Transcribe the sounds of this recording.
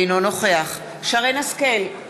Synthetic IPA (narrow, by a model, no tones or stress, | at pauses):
jno̞no̞χe̞aχ | ʃaʁenaskel